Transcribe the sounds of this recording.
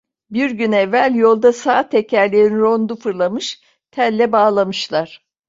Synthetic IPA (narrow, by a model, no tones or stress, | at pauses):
biɾɟynɛvælʲjo̞lˠd̪asaːt̪ʰːecʰæɾlʲeɾiniɾo̞nd̪ufɯɾlˠamɯʃ | t̪ʰælʲːɛbaːlˠamɯʃlˠaɾ̝̥